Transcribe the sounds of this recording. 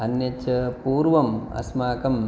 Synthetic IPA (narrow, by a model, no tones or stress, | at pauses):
ɐnjɐt͡ʃɐpuːɾʋɐmɐ̰smaːkɐm